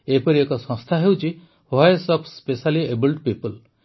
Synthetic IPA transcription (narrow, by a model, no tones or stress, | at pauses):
epɔɾiekɔsɔ̃st̪ʰaɦewt͡ʃʰi | hɔesɔpʰspesaliebɔlʈpipɔl